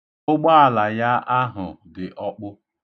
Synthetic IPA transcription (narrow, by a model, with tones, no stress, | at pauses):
ʊ˦ɡ͡ba˦a˨la˨ja˦ʔa˦ɦʊ̰˨dɪ˨ʔɔ˦k͡pʊ˦